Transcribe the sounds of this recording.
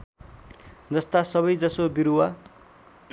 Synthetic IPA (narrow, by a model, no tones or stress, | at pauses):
d͡zʌst̪asʌβʌjd͡zʌsobiɾuwa